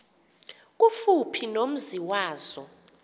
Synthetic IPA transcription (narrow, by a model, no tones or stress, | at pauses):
k̬ʼufupʰinom̩ziwaːz̥ɔ